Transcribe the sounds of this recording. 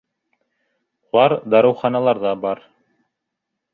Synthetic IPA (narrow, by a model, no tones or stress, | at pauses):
ulˠɑɾd̪ɑɾɤ̆wχɑnɑlˠɑɾðɑbɑɾ